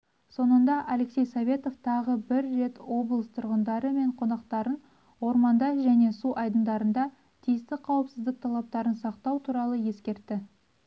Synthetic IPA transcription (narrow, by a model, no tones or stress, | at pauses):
so̞nənd̪ɑʔalekse̞jsovʲe̞t̪o̞ft̪ʰɑʁəbɪɾːe̞t̪wo̞blˠəst̪ʰʊɾʁənd̪ɑɾəme̞ɴqʰo̞nɑqt̪ɑɾən | wo̞ɾmɑnd̪ɑʒæne̞suʔɑjd̪ənd̪ɑɾənd̪ɑ | t̪ʰijɪst̪ɪqʰɑwəpsɪzd̪ɪk̚t̪ʰɑlˠɑp̚t̪ɑɾənsɑqt̪ɑwt̪ʰuɾɑlˠəje̞skʲe̞ɾt̪ːɪ